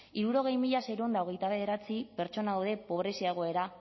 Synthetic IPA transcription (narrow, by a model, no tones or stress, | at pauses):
iɾuɾo̞ɣe̞jmiʎaseɾund̪aoɣe̞jt̪aβ̞e̞ð̞e̞ɾat͡sipe̞ɾt͡ʃo̞naawðe̞po̞βɾe̞sieɣ̞o̞e̞ɾa